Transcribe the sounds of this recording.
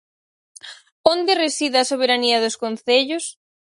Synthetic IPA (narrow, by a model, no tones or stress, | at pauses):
ond̪eresiðasoβ̞eɾaniɐðoskonθeʎʊs